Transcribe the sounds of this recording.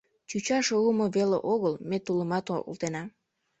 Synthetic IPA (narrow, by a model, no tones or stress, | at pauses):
t͡ɕut͡ɕɑʃoəmoβelḛʔoɣəlmet̪uləmɑt̪oo̰lˠt̪enɑ